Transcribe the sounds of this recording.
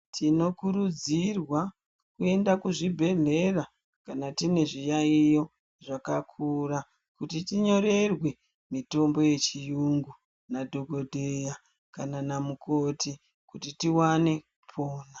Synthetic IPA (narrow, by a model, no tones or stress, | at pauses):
tʰino̞kuɾud͡zirwa | kue̞ndakuʐibʱe̞ɮe̞ra | kanatine̞ʐijaijo̞ | ʐakakʰura | kutitiɲo̞ɾe̞rwe̞ | mito̞mbo̞je̞t͡ʃijuŋɡu | nadʱo̞ɡʱo̞dʱeja | kananamukʰo̞ti | kutitiwane̞ | pʰo̞ːna